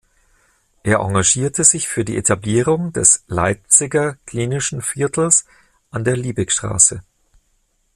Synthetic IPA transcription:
ʔeːɐʔa̰ŋɡaʒiːɐtʰəzɪçfyːɐdiːʔetʰabliːʁ̞ʊŋdɛslaɪp̚t͡sɪɡɐkʰl̥iːnɪʃn̩fɪɐtʰl̩s | ʔandeːɐliːbɪkʃtʁ̥a̰ːsə

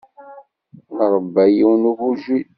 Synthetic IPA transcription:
nəʁəbːæjiwnuɣuʒi

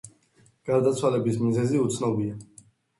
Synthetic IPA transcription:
ɡ̥aɾd̪at̪sʰwalɛbismizɛziut̪sʰnɔbia

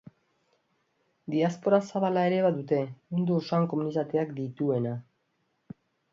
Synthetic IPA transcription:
d̪iaspo̞ɾasaβalae̞ɾe̞βaðut̪e̞mund̪uosaŋko̞munit̪at̪eakd̪it̪ue̞na

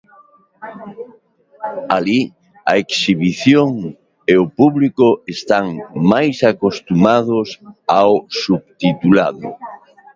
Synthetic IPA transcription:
ali | aeksiβiθjoŋ | eopuβlikoest̪aŋmajsakost̪umað̞ʊsawsuβt̪it̪ula̰ðʊ̰

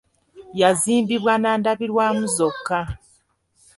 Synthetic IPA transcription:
jaziːmbiβwanaːndaβiɾwaːmuzokːa

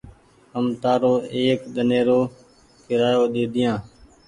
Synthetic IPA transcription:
ɦəmt̪aːɾoːʔeːkɗ̪əneːɾoː | kɪɾaːjoːɗ̪eːd̪ɪjãː

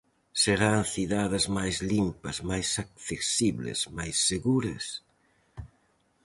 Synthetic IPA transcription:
seɾaŋθiðaðɪzmajzlimpɐzmajsak̚θesiβlɪ̰smajsːeɣuɾɐ̰s

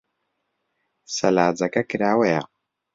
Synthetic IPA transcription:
salad͡zakakiɾaweja

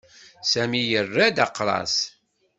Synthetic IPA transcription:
sæmijərːæd̪aqːɾˤɑ̰s

